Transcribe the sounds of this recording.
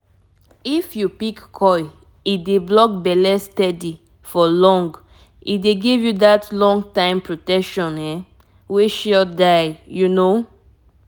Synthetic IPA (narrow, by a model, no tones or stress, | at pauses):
ifjupikkʰɔj | ideblɔk̚bɛlɛstɛdi | fɔlɔ̃ŋɡ | ideɡivjudatlɔ̃ŋɡtãɪ̃mpɹotɛkʃɔ̃nɛ | weʃɔdaɪjuno